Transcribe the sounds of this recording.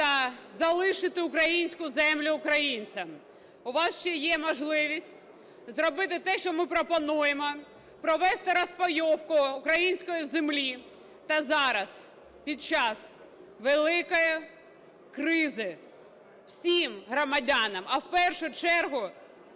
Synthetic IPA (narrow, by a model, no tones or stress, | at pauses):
t̪ɐzɐlˠɪʃɪt̪ɪʊkɾɐjinʲsʲkʊzɛmlʲʊːkɾɐjinʲt͡sʲɐm | ʊʋɑsʃt͡ʃɛjɛmɔʒlˠɪʋʲisʲtʲ | zrɔbɪt̪ɪt̪ɛʃt͡ʃɔmɪpɾɔpɔnujemɔ | pɾɔʋɛst̪ɪɾɐspɔjɔwkʊʊkɾɐjinʲsʲkɔjʊzemlʲi | t̪ɐzɑɾɐs | pʲid̪̚t͡ʃɑs | ʋelˠɪkɔjʊ | kɾɪzɪ | w̥sʲimɦɾɔmɐdʲɑnɐmɐwpɛrʃʊt͡ʃɛrɦʊ